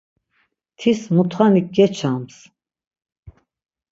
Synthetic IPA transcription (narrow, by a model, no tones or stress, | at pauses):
t̪ʰismut̪ʰχanikːɛt͡ʃʰams